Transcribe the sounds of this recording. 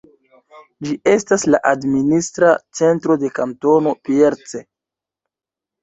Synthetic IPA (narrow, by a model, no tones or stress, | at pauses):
d͡ʒie̞staslaʔadministɾat͡se̞ntɾo̞de̞kamto̞no̞pie̞ɾt͡se